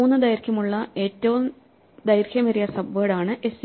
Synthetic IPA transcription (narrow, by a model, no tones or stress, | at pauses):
uːnːɨd̪ɐjɾkʲjɐmuɭːɐe̞ːtːɐʋum | d̪ɐjɾkʰʲjɐmɐɾijɐsɐbʋeːɽaːɳɨʔe̞s